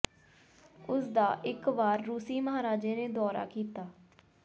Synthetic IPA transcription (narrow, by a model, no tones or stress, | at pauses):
ʊsd̪aːʔɪkʋaːɾːuːsiːməɦaːɾaːd͡ʒeːneːd̪ɔːɾa̰ːkiːt̪aː